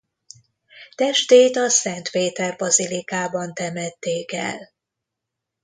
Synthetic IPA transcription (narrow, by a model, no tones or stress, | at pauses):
t̪ɛʃt̪eːt̪ɒsɛnt̪peːt̪ɛrbɒzilikaːbɒnt̪ɛmɛt̪ːeːkɛ̰l